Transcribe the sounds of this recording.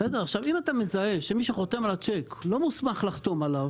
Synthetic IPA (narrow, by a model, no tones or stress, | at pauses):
sed̪eʁaχʃavimat̪ame̞zaeʃemiʃeχo̞t̪emalat͡ʃeklo̞musmaχlaχt̪omalav